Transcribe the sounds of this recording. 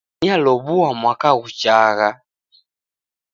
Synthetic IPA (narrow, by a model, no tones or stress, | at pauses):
ialɔβuamwakaɣut͡ʃaɣa